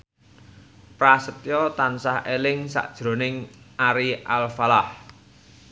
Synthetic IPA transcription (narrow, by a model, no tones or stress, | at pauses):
pɾasət̪jɔt̪ansahelɪŋsa̰ʔd̥ʒ̥ɾo̤nɪŋʔaɾiʔalfalah